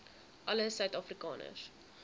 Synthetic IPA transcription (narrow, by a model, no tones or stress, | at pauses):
ʔɐləsœɥtɑːfrikɑ̰ːnə̰s